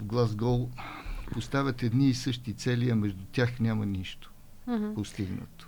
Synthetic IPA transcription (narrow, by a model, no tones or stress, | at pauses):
vɡlˠazɡɔlˠpost̪avʲət̪ɛd̪niːsɤʃt̪it̪sɛliəmɛʒd̪ut̪ʲjaxnʲamɐniʃt̪o̥ | post̪iɡnə̰t̪ʊ̥